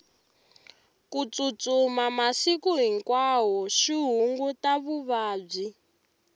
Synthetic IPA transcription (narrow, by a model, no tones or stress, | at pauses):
kut͡sut͡sumamasikuɦiŋkwaɦɔʃiɦuŋɡutaβuβaːb͡ʐi